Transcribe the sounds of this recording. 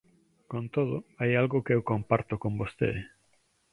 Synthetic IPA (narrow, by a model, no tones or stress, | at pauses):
kõnt̪oð̞oajalɣʊkeewkompaɾt̪okombost̪ḛ